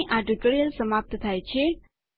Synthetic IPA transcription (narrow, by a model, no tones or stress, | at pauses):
ʔaɖəkəɭjəlsəmap̚t̪t̪ʰajt͡ʃʰe